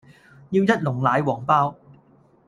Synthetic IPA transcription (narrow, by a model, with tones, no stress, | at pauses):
jiː˧wjɐ˥t̚lʊ˨˩ŋlaː˨˧jwɔː˨˩ŋpaː˥w